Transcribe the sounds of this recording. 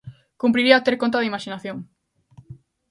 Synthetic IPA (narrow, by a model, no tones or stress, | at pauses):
kumpɾiɾiat̪eɾkont̪̬aðimaʃinaθjoŋ